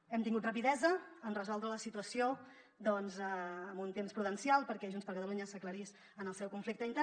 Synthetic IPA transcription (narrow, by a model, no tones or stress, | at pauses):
ɛmt̪iŋɡut̪rəpiðɛzəənrəzɔlˠd̪ɾələsit̪uəsio | d̪ɔnzəːmunt̪emspɾuðənsialˠpəɾkɛʒunspəɾkət̪əluɲəsəkləɾis | ənəlˠsɛwkuɱflik̚t̪əint̪ɛ